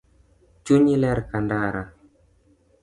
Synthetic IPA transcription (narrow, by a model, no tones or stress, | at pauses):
t͡ʃuɲilɛɾkandaɾa